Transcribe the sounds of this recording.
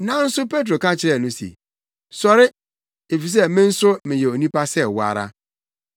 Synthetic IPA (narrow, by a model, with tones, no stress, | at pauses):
nã˨n̩˦sʊ˦pʰe˦t̬ɾo˨kã˦t͡ɕʰɪ˦ɾɛ˨nʊ̃˦sḛ˨ | sɔ˨ɾɪ˦ | e˨fi˨s̬ɛ˦mɪ̃˦n̩˦sʊ˦mɪ̃˨jɛ˨o˨nĩ˦pa˦sɛ˦wa̰˨ɾa̰˦